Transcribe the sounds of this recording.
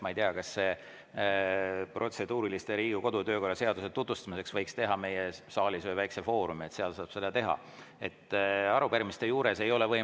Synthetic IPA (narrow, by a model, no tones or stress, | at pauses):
mɑijt̪eɑkɑsːe | prʔo̞t̪se̞d̪uːɾilist̪e̞ɾiːɡ̥iko̞d̪̥ut̪ø̞ːkorːɑse̞ɑd̪uset̪ːut̪vust̪ɑmise̞ksvɤjkst̪e̞ɦɑme̞jesɑːlʲisɤjvæjksefo̞ːɾumiet̪seɑlsɑːb̥se̞d̪ɑt̪e̞ɦɑ̰ | e̞t̪ːˑɑɾubeɾmist̪ejuːɾe̞se̞jo̞le̞vɤ̞